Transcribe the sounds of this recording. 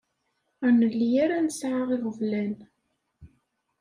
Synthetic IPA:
ænəlːijaɾænəsʕaʁiʁəvlæn

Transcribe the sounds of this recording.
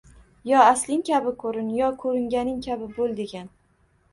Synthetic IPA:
jɒaslɪŋkʲʰabɪkʰɵɾɪnjɒkʰɵɾɪŋɡʲanɪŋkʲʰabɪbolˠd̪eɡʲan

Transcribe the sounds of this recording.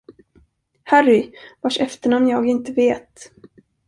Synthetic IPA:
hærɪvaʂɛft̪əɳɔmnjɑːɡɪnt̪əveːt̪

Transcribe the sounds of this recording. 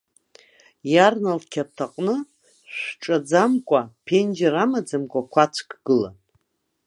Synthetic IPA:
jarnalkʲʰap̚tʰaqʼnɨ | ʃʷʈ͡ʂʼad͡zamkʷʼapʰend͡ʒaɾamad͡zamkʷʼakʷʰat͡ʃʷʰkɡ̥ɨla̰n

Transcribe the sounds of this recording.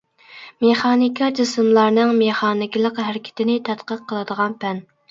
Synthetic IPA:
meχɑːnɪkʰʲɑd͡ʒɪsɨmlˠɑɾnɨŋmeχɑːnɪkʲilˠəqɦæɾɪkʲʰɪ̥t̪ʰɪnɪt̪ʰɛt̪qəqʰːəlˠɨd̪əʁɑnpʰɛn

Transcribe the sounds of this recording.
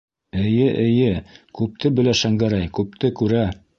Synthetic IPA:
ɘ̆jɘʔɘ̆jɘkʉp̚t̪ʰɘbɘ̆læʃæŋɡæɾæjkʉp̚t̪ɘkʉɾæ

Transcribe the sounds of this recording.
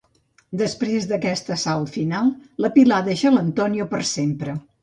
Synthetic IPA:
d̪əspɾezd̪əkɛst̪əsalfinalˠləpilaðəʃələnt̪ɔniopəɾsempɾə

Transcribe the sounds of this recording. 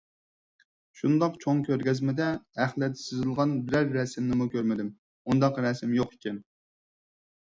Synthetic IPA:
ʃund̪ɑqt͡ʃʰoŋkʲʰøɾɡʲɛzmɪd̪ɛæχlˠɛt̪ʰɪ̥sɪzɪlˠʁɑnbɪɾæɾːɛsɪmnɪmukʲøɾmɪd̪ɪm | und̪ɑqɾɛsɪmjoqikʲɛn

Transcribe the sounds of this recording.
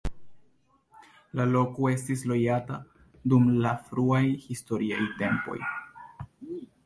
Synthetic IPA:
lalo̞koe̞stis̬lo̞jata | dumlafɾuajhisto̞ɾiajte̞mpo̞̰j

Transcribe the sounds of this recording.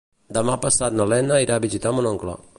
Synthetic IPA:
d̪əmapəsat̪nəlɛnəiɾaβizit̪amunɔŋklə̰

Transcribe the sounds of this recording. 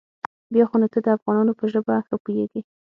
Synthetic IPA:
bjɑxonat̪əd̪əafɣɑnɑnopəʒəbaapujeɡi

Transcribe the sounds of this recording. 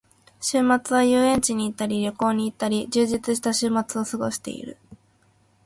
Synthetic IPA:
ɕɨːmat͡sɨβajɯːẽ̞ɲt͡ɕiɲ̟iːt̪ːaɾʲiɾʲo̞ko̞ːɲ̟iːt̪ːaɾʲid͡ʑɨːʑit͡sɨɕ̬i̥t̪aɕɨːmat͡sɨo̞sɨɡo̞ɕi̥t̪e̞̰ḭɾɯ̰

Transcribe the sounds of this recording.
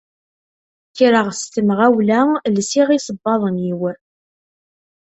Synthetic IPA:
tiɾəʁst̪əmʁæwlælsiʁisəbːɑðˤənjiwə

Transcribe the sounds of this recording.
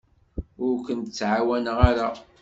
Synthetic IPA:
ʊɾkʷənt̪ət͡sːʕawænəʁaɾa

